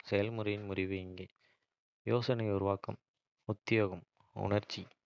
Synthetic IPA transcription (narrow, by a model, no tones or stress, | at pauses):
sɛjɐlmʊɾɐjɪnmʊrɪʋɯɪŋɡɐː | joːsɐnɐɪʊɾʊʋaːkɐm | ʊt̪ːɪjoːɣɐm | ʊ̰ɳɐɾt͡ʃːi